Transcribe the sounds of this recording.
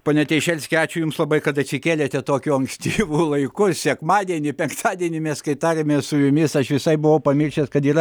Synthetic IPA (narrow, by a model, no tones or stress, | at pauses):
poːnʲɛt̪ʲɛɪʃʲɛlʲsʲkʲɛɑːt͡ʃʲʊjʊmslˠɐbɐɪkɐt̪ɐt̪ʲsʲɪkʲeːlʲeːt̪ʲɛt̪oːkʲʊɐŋksʲt̪ʲiːʋuːlˠɐɪkʊsʲɛkmɑːd̪ʲiɛnʲɪpʲɛŋkt̪ʰɑːd̪ʲiɛnʲɪmʲɛskɐɪt̪ɑːɾʲeːmʲeːsʊjʊmʲɪsɐʃʋʲɪsɐɪbʊʋɐʊpɐmʲɪrʲʃʲt̪ʲeːskɐt̪iːrɐ